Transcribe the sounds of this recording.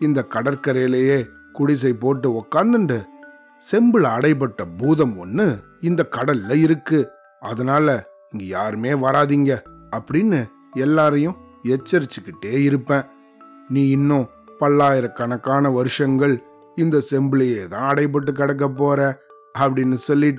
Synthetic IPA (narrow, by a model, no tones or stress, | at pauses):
ɪnd̪ɐkɐɽɐɾkɐɾɐjlejeː | kʊɽɪs̬ɐɪpːoːʈːɯɔkːaːnd̪ɯɳɖɯ | sɛmbɯɭɐɽɐɪp̬ɐʈːɐbuːðɐmɔnːɯ | ɪnd̪ɐkɐɽɐlːɐɪɾɯkːɯ | ɐðɐnaːlɐ | ɪŋɡɐjaːɾɯmeːʋɐɾaːðiːŋɡɐɐpːɐɽɪnːɯ | ɛlːaːɾɐjʊ̃ | ɛt͡ʃːɐɾɪt͡ʃːɯkːɪʈːeːɪɾɯpːẽː | nĩːɪnːʊ̃ː | pɐlːaːjɪɾɐkːɐnɐkːaːnɐʋɐɾɯʂɐŋɡɐɭ | ɪnd̪ɐsɛmbɯɭɐjeːt̪ãːɐɽɐɪp̬ːɐʈ̬ːɯk̬ːɪɽɐk̬ːɐp̬ːoːɾɛ̃ | ɐpːɐɽɪnːɯsɔlːɪʈː